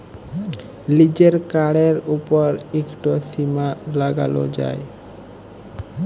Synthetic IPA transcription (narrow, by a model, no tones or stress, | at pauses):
lid͡ʑeɾkaɽeɾupoɾekʈosimalaɡa̰lo̰d͡ʑa̰e